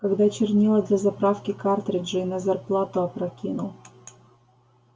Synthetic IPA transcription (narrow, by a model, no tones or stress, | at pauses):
kɐɡd̪at͡ɕɪrnʲilˠəd̪lʲɐzɐpɾafkʲɪkart̪ɾʲɪdʐɨinɐzɐrplˠat̪ʊɐpɾɐkʲinʊlˠ